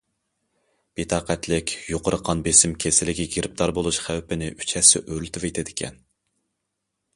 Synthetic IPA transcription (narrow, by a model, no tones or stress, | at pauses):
b̥et̪ʰɑːqɛt̪lɪkʲjoqəɾəqʰːɑnbesɪmkʲʰesɪlɪkʲiɡʲeɾɪp̚t̪ɑɾbolˠuʃχæwpɪnɪʔy̥t͡ʃʰɛsɪ̰ʔøɾlt̪ɨvet̪ʰɪd̪ɪkʲʰɛ̰n